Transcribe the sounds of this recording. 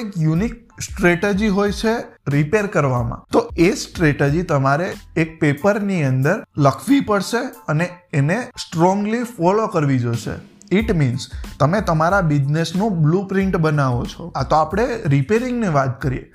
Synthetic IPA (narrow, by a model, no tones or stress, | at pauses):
ikjunik̚ | sʈɾeʈed͡ʒiɦojt͡ʃʰeɾipeɾkəɾʋamã̰t̪oesʈɾeʈed͡ʒit̪əmaɾeːk̚pepəɾniənd̪əɾləkʰʋipəɽʃeəneːnesʈɾɔ̃ŋɡlifɔlokəɾʋid͡ʒoʃḛ | iʈminst̪əmet̪əmaɾabid͡ʒnesnũblupɾiɳʈbənaʋot͡ʃʰoat̪oapɽ̃eɾipeɾiŋɡniʋat̪̚kəɾḭjḛ